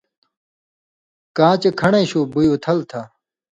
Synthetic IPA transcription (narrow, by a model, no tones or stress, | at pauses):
kãːt͡ɕekʰɐɳẽɕuːbujoːt̪ʰɐlt̪ʰa